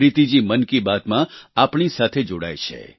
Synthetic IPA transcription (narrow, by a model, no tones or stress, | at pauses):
ɾit̪id͡ʒimənkibat̪mãapɳisat̪ʰed͡ʒoɽa̰jt͡ʃʰḛ